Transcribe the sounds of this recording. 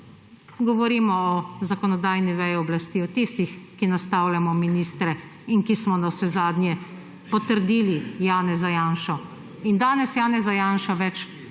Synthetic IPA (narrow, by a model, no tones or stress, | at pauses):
ɡɔʋɔɾiːmɔɔzakɔnɔd̪aːjniʋɛjɛɔblast̪iːɔt̪ist̪ixkinast̪aːwlʲjamɔminiːst̪ɾɛ | inkismɔnawsɛzaːd̪njɛ | pɔt̪əɾd̪iːlijaːnɛzajaːnʃɔ | ind̪aːnɛsjaːnɛzajaːnʃaʋɛt͡ʃ